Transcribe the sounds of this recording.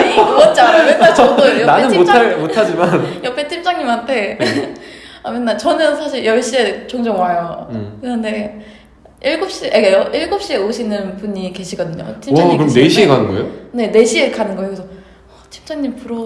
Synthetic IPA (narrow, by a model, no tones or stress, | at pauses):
ʌt͡ɕ͈amenːaʌdojʌnaenɯnmott͡ɕʰamotʰad͡ʑimanjʌpʰet͡ɕʰimt͡ɕ͈aŋɲimɦantʰe̞ | amenːat͡ɕʌnɯnsʰaɕʰiɭjʌɭɕ͈ie̞t͡ɕoŋd͡ʑʌŋwajokɯɾʌnde̞ | iɭɡup̚ɕ͈iekaʌʔiɭɡup̚ɕ͈ie̞oɕʰinːɯnpuɲike̞ɕʰiɡʌdɯɲo̰t͡ɕʰimt͡ɕakɯɾʌmneɕʰiekanɯnɡʌḛjone̞ne̞ɕʰie̞kanɯnɡʌejokɯsʰʌ | ʌt͡ɕʰi̥mt͡ɕ͈aŋɲimpuɾʌ